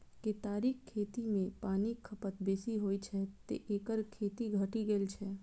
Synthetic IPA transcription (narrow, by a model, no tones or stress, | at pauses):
ket̪aːɾikkʰːet̪imẽpaːnikʰəpət̪beːsiɦojt͡ʃʰɛt̪ḛʔeːkəɾkʰet̪iɡʱəʈiɡeːlt͡ʃʰɛ